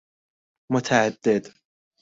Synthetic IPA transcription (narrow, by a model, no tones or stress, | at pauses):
mʊt̪ʰaʕad̪ːɪd̪